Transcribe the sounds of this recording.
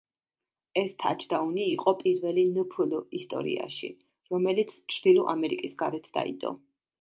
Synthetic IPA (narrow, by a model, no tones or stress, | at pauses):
ɛst̪ʰa̰t͡ʃʰd̪auniːqʼɔpʼiɾvɛlinəpʰulɔist̪ʼɔ̰ɾḭa̰ʃḭ | ɾɔmɛlit̪sʰt͡ʃʰɾd̪̥iluʔamɛɾikʼisɡaɾɛt̪ʰd̪a̰ḭd̪ɔ̰